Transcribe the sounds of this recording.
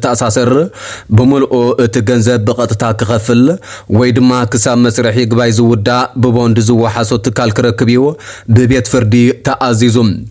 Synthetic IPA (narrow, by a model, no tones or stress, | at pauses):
t̪ʰɐasasɐɾbɨmulʔoʔɨt̪ʰiɡɐnzɐβːɨkʼɐt̪ʼːɨt̪ʰakɨxɐfɨlwɔjd̪ɨmːakɨsaβmɐsʼɾɨħiɡɨβajzɨwʊd̪ːabɨβond̪ɨzɨwɔħasot̪ɨkalkʰɨɾɐkːɨβijubɨbe̞t̪fɨɾd̪it̪ʰɐʔazizum